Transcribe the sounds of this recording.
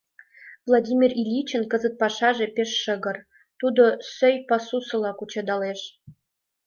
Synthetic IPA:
vlˠɑdʲimʲirilʲit͡ɕə̆nkə̆zə̆t̪̚pɑʃɑʒepeʃːə̆ɣə̆r | t̪ud̪osøjpɑsusɤ̆lˠɑkut͡ɕɑd̪ɑleʃ

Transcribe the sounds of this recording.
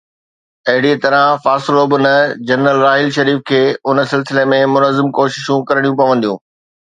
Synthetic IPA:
ɐɦɪɽiet̪ɐɾəfaːsloːbʊnəd͡ʑɐnɾəlɾaːɦɪlʃɐɾiːfkʰeːʊnə̆sɪlsɪlemẽmʊnəzɪmkoːʃɪʃũkɐɾəɽ̃jũpɐʋə̃nd̪ijũː

